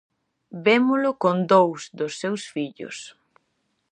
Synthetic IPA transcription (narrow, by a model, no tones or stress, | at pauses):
bemʊlʊkond̪owsd̪ʊsːewsfiʎʊ̰s